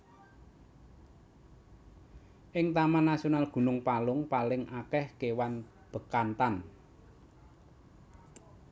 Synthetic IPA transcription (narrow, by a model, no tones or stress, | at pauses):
ʔɪŋt̪amanasionalɡ̥ṳnʊŋpalʊŋpalɪŋʔakɛhkewan | b̥ə̤kant̪an